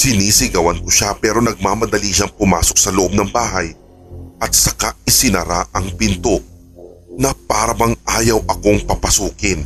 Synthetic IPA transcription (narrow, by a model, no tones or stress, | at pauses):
sɪniːsɪɡɐwɐnkʊʃapɛːɾo̞nɐɡ̚maːmɐd̪ɐliʃaŋpʊmaːso̞k̚sɐloʔob̚nɐŋbaːɦɐj | ʔɐt̪̚sɐkaɪsɪnɐ̰ɾaʔɐŋpɪnt̪o̞ | nɐpaːɾɐbɐŋʔaːjɐwʔɐko̞ŋpɐpɐsuːkɪn